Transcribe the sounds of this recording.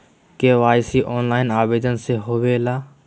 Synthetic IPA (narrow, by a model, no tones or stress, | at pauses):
keʋaːjsiʔɔːnlaːɪnaːbeːd̪ənseɦoːʋeːlaː